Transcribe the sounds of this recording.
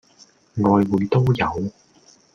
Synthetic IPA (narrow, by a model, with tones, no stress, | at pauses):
ŋɔː˨˧jwuː˨˧jt̪o˥wjɐ˨˧w